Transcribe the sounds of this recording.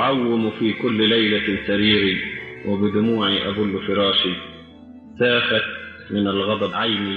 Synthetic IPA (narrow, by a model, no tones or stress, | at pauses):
ʕawːɪmfiːkʊlːlajlasaɾiːɾiwɪbɪd̪ʊmuːʕiʔa̰bʊlːʊfɪɾˤɑːʃi | saːfat̪ | mɪnalɣɑd̪ˤɑbʕajmi